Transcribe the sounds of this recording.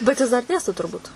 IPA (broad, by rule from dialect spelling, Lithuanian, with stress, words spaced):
bʲɛt jɪs dɐr ˈdʲeːstoː tʊrˈbuːt